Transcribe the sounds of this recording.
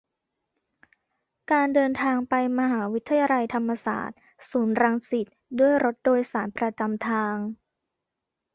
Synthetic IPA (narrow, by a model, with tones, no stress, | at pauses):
kaː˧ndɤː˧nt̪ʰaː˧ŋpa˧jma˧ɦaː˩˦wi˦˥t̪ʰːa˧jaː˧la˧jt̪ʰa˧mːa˧sa̰ː˨˩t̪̚ | suː˩˦nɾa˧ŋsi˨˩t̪̚du˥˩əjɾo˦˥t̪̚doː˧jsaː˩˦npɾa˧t͡ɕa˧mt̪ʰaː˧ŋ